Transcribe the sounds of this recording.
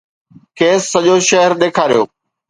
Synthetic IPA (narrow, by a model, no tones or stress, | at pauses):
kʰeːsːɐʄoʃɐɦəɾɗ̪eːkʰaːɾijo̰ː